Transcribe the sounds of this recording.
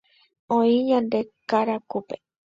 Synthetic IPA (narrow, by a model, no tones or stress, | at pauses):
õĩɲãnd̪e̞kaɾakupe